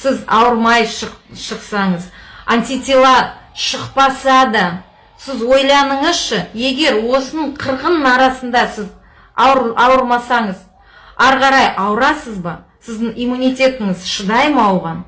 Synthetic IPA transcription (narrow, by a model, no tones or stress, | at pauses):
sɪzɑ̰wəɾmɑjʃʃəqsɑɴəzanʲt̪ʲit̪ʲilˠɑʃəqpɑsɑd̪ə | sɪzwo̞jlˠɑnəɴəzʃəje̞ɡʲe̞ɾwo̞sənəɴqʰəɾʁənnɑɾɑsənd̪ɑsɪz | ɾɑwəɾmɑsɑɴəz | æɾqɑɾɑjʔɑwɾɑsəzbɑ | sɪzd̪ɪŋijmunʲijt̪ʲe̞t̪ɪŋɪzʃəd̪ɑjmɑwʁɑn